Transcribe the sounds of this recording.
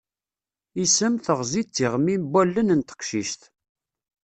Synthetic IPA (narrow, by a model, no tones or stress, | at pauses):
isəmθəʁzit͡s̪ːiʁmimbælːənənt̪ə̥qʃiʃt̪